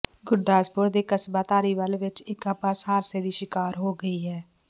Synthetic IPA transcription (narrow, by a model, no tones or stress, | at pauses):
ɡʊɾd̪aːspʊɾd̪eːkəsbaːt̪aːɾiːʋəlʋɪt͡ʃɪkəbaːsaːɾseːd̪iːʃɪkaːɾɦoːɡəiːɦɛː